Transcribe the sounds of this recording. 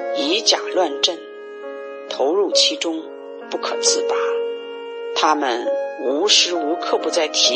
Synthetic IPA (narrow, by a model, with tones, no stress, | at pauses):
i˧˥t͡ɕja˨˩lwa˥˧nʈ͡ʂə˥˩n | t̪ʰo˧˥ʊɻu˥˩t͡ɕʰi˧˥ʈ͡ʂʊ˥ŋ | pu˥˩kʰɤ˨˩t͡sʰɹ̩˥˩t̪a˧˥ | t̪ʰa˥mə˨nu˧˥ʂɻ̩˧˥u˧˥kʰɤ˥˩pu˧˥t͡sa˥˩ɪt̪ʰi˧˥